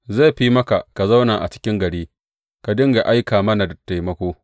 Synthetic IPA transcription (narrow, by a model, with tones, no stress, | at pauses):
za˦˨ɸi˦mɐ˦ka˨ka˨za˦wnaː˨ʔa˨t͡ʃɪ̥˦kʲɪ˦ŋɡɐ˨ɽiː˦ | ka˨dɪ˦ŋɡa˨ʔa˦jkaː˨mɐ˦na˨da˨tːa˨jmɐ˦kʷoː˦